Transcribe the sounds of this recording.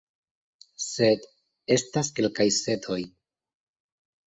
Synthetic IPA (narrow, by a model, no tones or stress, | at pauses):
se̞d | e̞staske̞lkajse̞tʰo̞j